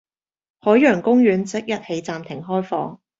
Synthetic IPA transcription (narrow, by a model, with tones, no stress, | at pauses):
hɔː˨˥jːœː˨˩ŋkʊ˥ŋjyː˨˧nt͡sɪ˥k̚jɐ˥t̚he˨˧jt͡saː˨mt̪ʰɪ˨˩ŋɦɔː˥jfɔ̰ː˨˧ŋ